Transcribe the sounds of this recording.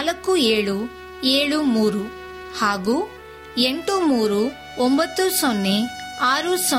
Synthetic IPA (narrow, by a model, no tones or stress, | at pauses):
lɐkːueːɭu | eːɭumuːɾu | haːɡuː | eɳʈumuːɾu | ɔmbɐt̪ːusɔnːeaːɾusɔ